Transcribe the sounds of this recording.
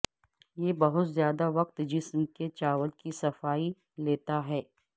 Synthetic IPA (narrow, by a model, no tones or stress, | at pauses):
jeːbɐɦʊt̪zjaːd̪aʋɐq̚t̪d͡ʒɪsmket͡ʃaːʋəlkisɐfaːi | leːt̪aɦɛː